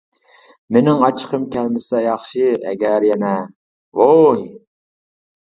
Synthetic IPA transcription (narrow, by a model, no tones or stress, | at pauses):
mɪnɪŋɑt͡ʃʰə̥qʰəmkʲɛlmɪsɛjɑχʃɨɛ̰ɡʲæɾjɛnɛ | woj